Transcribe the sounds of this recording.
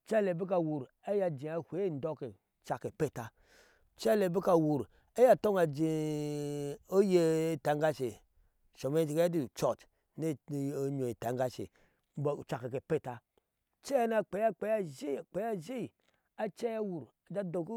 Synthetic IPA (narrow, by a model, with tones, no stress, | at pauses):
t͡ʃa˦le˨bi˦k̬a˨wu˨ɾ | a˦ja˨d͡ʒi˨a˨hʷe˨˦˨n˦do˦ke˨ | t͡ʃa˨ke˨pe˦˨ta˨ | t͡ʃa˦˨le˨bi˦ka˨wu˨ɾ | e˦ja˨to˦ŋa˨d͡ʒi˨ | o˦je˦˨ta˨˦ŋɡa˦ʃe˨ | ʃo˨me˦t͡ʃi˨ke˦a˦di˦˨t͡ʃo˨t | ne˦˨˦ɲo˨i˨ta˨˦ŋɡa˦ʃḛ˨˦ | bt͡ʃa˨ke˨ke˨pe˦˨ta˨ | t͡ʃe˦na˦k͡pe˨˦a˦k͡pe˨˦a˦ʒi˦˨k͡pe˨ja˦ʒi˦˨ | a˨t͡ʃe˦ja˦wu˨ɾ | a˨d͡ʒa˦do˨k